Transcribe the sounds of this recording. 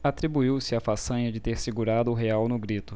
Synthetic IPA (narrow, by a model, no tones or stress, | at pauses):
at̪ɾibuiwsɪafasɐ̃ɲɐd͡ʒɪt̪eɾsɪɡuɾad̪ʊʊɦeawnʊɡɾit̪ʊ